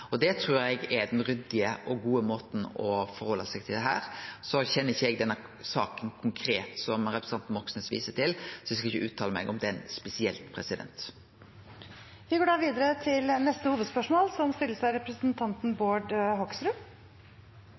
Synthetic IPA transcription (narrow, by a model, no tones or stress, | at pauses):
ɔd̪ɛt̪ʰɾʉːɾɛɡɛd̪ɛnɾʏd̪ɪəʔɔɡuːəmoːt̪n̩ɔfɔɾhɔlːəsɛɡt̪ʰɪld̪ɛɦæ̰ːɾsɔçɛnːəɪçːəɛɡd̪ɛnːə | sɑːkənkʰʊŋkʰɾeːt̪sɔmɾɛpɾəsn̩ɑnt̪nʋɔksnəsʋḭːsəʈʰɪlsɔɪskɑɪçːəʔʉːt̪ʰɑːləmɛ̰ɡɔmd̪ɛɛnspɛsɪɛlt̪pʰɾɛsɪd̪ɛ̰nt̪ | ʋɪɡoːɖɑːʋiːd̪əɾət̪ʰɪlnɛst̪əhuːʋəd̪spœʂmoːlsɔmst̪ɪlːəsɑɪɾɛpɾəsnt̪ʰɑnt̪n̩boːɖhɔksɾʉ